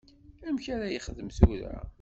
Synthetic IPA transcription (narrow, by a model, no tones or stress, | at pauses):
æmçæɾæjəχəðəmθuɾæ̰